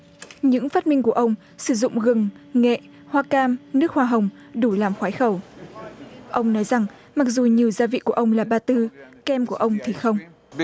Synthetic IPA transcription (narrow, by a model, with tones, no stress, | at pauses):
ɲɨ̰˧˥ŋfaː˦˥t̚mï˧ŋ̟ku˧˩əʔə˧wŋ͡m | sɨ˧˩zʊ̰˧˨ŋ͡mɣɨ˨˩ŋŋɛ̰˧˨ | hwaː˧kaː˧mnɨ˦˥ək̚hwaː˧ɦə˨˩wŋ͡m | ɗu˧˩laː˨˩mxwaː˨˦jxə˧˩w | ʔə˧wŋ͡mnɔ˨˦jza˨˩ŋ | ma˨˩k̚zu˨˩ɲi˨˩əwzaː˧vḭ˧˨ku˧˩əʔə˧wŋ͡mlaː˨˩ɓaː˧t̪ɨ˧kɛ˧mku˧˩əʔə˧wŋ͡mt̪ʰi˨˩xə˧wŋ͡m